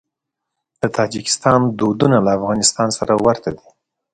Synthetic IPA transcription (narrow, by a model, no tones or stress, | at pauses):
d̪̥ət̪ʰɑd͡ʒɪkɪ̥st̪ɑnd̪od̪unalaːfɣɑnɪst̪ɑnsaɾawaɾt̪ad̪i